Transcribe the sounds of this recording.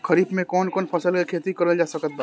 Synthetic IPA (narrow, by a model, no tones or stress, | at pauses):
kʰəɾiːbmẽkɔːnkɔːnpʰɐsəlkekʰeːt̪ikəɾəld͡ʒaːsəkət̪̚b